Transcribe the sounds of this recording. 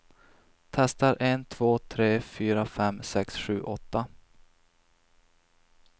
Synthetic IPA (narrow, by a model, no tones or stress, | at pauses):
t̪ʰɛst̪aɾʔent̪ʰv̥oːt̪ʰɾeːfyːɾafɛmːsɛksɧʉ̟̰ːʔɔt̪ːa